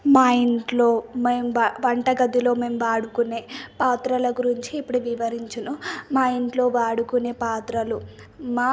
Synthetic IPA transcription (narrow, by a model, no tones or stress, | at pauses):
maːjiɳʈlo̞ːmeːmʋɐɳʈɐɡɐd̪ilo̞ːme̞ːmʋaːɽukune̞ːpaːt̪ɾɐlɐɡuɾiɲt͡ʃiːpːuɽuʋiʋɐɾiɲt͡ʃɐnumaːjiɳʈlo̞ːʋaːɽukune̞ːpaːt̪ɾɐlumaː